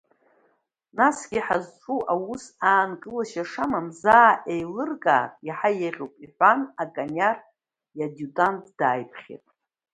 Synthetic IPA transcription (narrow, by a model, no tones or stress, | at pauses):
nasɡʲiħazʈ͡ʂʼuʔawusaːnkʼɨlaʃaʂamamzaːʔejlɨrkʼa̰ːtʼjaħajeʁʲopʼiħʷanakʼanar | jadutʼantʰd̥aːjpʰχʲḛtʼ